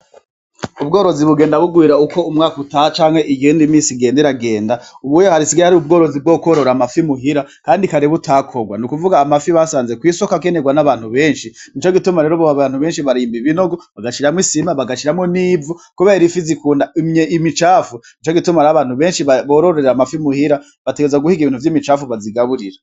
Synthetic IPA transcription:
ubɡo̞ːɾo̞ziβuɡe̞ːndaβuɡwiːɾauko̞umŋaːkutahat͡ʃaːŋhe̞ʔijiːndimiːsiɡe̞ːndeɾaɡe̞ːndauβujohaɾisiɡaɾahaɾiub̚ɡo̞ːɾo̞zib̚ɡokoɾoɾamafimuɦiɾakaːndikaɾeβutʰakʰo̞ɡwa̰nukuvuɡaːmafiβasaːnze̞kwiːso̞kakeneɡwanaβaːn̥huβe̞ːnʃinit͡ʃoɡitumaɾe̞ːɾoβoβaβaːn̥huβe̞ːnʃiβaɾiːmbiβino̞ɡoβaɡaʃiɾamwisimaβaɡaʃiɾamŋoniːvukuβeɾifizikuːndaimɲeʔimit͡ʃaːfunit͡ʃoɡitumaɾaβaːn̥uβe̞ːnʃiβaβoːɾoɾoeɾamafimuhiɾa | βateɡezaɡuhiɡiβiːnhuvjiːmit͡ʃaːfuβaziɡaβuɾiɾa

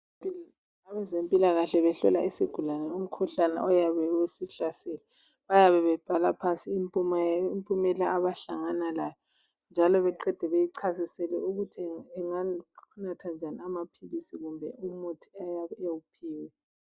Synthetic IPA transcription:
aβɛzempʼilaɣaɬɛβɛɬɔ̰laisiɡ̥ʱulanɛum̩kʰuɬana̰ʔɔjaβɛwesiɬasɛlɛ | βajaβɛβɛb̥ʱalapʰansʼiːmpʼumimpʼumɛlaaβaɬaŋanalajɔ | nd͡ʒʱalɔβɛǃɛd̥ʱɛβejiǀʰasisɛlɛuɣutʰɛŋanatʰand͡ʒʱaniamapʰilisiɣumbʱɛumutʰi̥ajaβɛewupʰiːwɛ

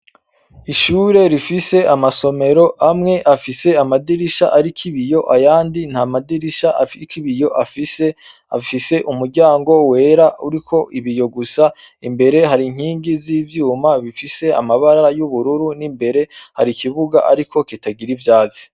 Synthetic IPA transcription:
iʃuːɾe̞ɾifise̞ʔamaso̞me̞ɾo̞amŋe̞ʔafise̞amadiɾiʃa̰ʔaɾikʰiβijo̞ʔajaːndin̥hamadiɾiʃaʔafikiβijo̞ʔafise | afise̞ʔumuɾɟaːŋɡo̞we̞ːɾauɾikʰo̞ʔiβijo̞ɡusa | imbe̞ɾe̞ɦaɾiŋ̥hiːŋɡiziːvjuːmaβifise̞a̰maβaɾaɾajuβuɾuɾunimbe̞ɾe̞ha̰ɾikiβuɡa̰ʔaɾikʰo̞kitaɡiɾivjaːzi̥

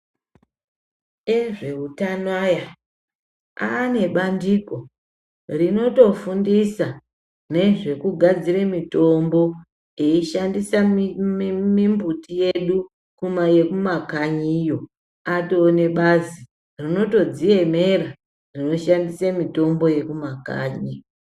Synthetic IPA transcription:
eʐe̞utanaja | a̰ːne̞ɓandiko̞ | rino̞to̞fundisa | ne̞ʐe̞kuɡʱad͡ziremito̞mbo̞ | eiʃandisa | mimbutije̞ɗu | kumaje̞kumakaɲiːjo̞ | ato̞ːne̞ɓazi | rino̞to̞d͡zije̞me̞ra | rino̞ʃandisemito̞mbo̞je̞kumaka̰ːɲi

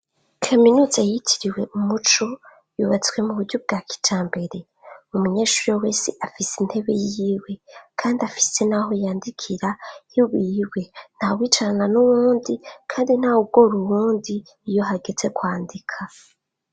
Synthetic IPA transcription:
kʰaminuzajitʰiɾiwe̞ʔumut͡ʃo | juβat͡swe̞muβuɾɟub̚ɡaki̥tʰaːmbe̞ɾe̞ | umuɲeːʃuɾijowesiʔafisin̥he̞βe̞̰jiwe̞kʰaːndiafi̥se̞naɦojaːndikʰiɾahiwiwe̞n̥hawiːt͡ʃaɾananuwuːndikʰaːndin̥aub̚ɡ̥o̞ɾuwuːndiː | jo̞ɦaɡe̞ze̞kwaːndikʰa

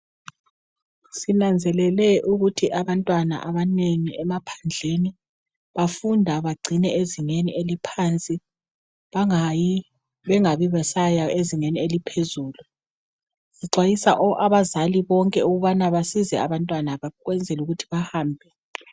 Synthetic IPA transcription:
sinand͡zʱɛlɛlɛʔuɣutʰiʔaβantʼwana̰ʔaβaneŋiɛmapʰḁnd͡ɮʱeni | βafundʱaβaɡ͡ǀʱinɛeziŋenielipʰant͡sʼi | βaŋji | βɛŋaβiβɛsajaeziŋenielipʰezuːlu | siǀwajisaʔɔʔaβazaliβɔŋkʼɛuɣuβanaβasizɛ̰aβantʼwanaβaɣwɛnd͡zʱɛluɣutʰi̥βahaːmbʱɛ

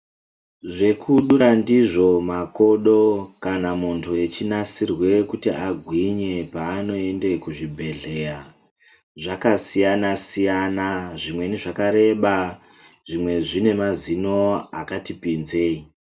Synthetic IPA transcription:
ʐe̞kʰuɗurandiʐo̞mako̞ɗo̞kanamuntʰue̞t͡ʃinasirwe̞kutiaɡʱwiɲe̞paːno̞e̞nde̞kuʐibʱe̞ɮe̞ra | ʐakasijanasijanaʐimwe̞niʐakaɾe̞ɓa | ʐ̥imwe̞ʐine̞mazino̞akatipinze̞ːi

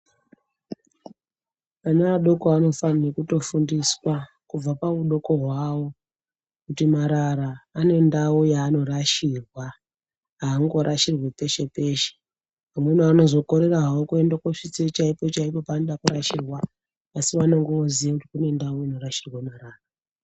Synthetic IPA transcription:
anaaɗo̞ko̞ano̞fanirekuto̞fundiswa | kub͡vapauɗo̞ko̞ɦwawo̞ | kutimaɾaɾaːne̞ndaujaːno̞ɾaʃiːrwa | ɦaːŋɡo̞ɾʔaʃirwepe̞ʃe̞pe̞ːʃe̥ | pamwe̞nano̞zo̞ko̞ɾe̞raɦawokue̞ndakoʂit͡se̞t͡ʃaipo̞t͡ʃaipo̞paːnoɗakuɾaʃirwaː | siʋanaŋɡeʋoziekutikune̞ndauino̞ɾaʃirwemaɾaːra

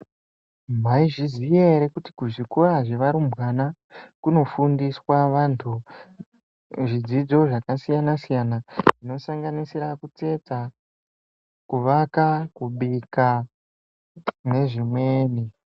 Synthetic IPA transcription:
m̤aiʐizijeɾe̞kuti̥kuʐikuraʐe̞ʋaɾumbwana | kuno̞fundiswaʋantʰu | ʐid͡zid͡zo̞ʐakasijanasijanaʐino̞saŋɡanisiɾakut͡se̞t͡sa | kuʋakakuɓika | ne̞ʐimwe̞ːni

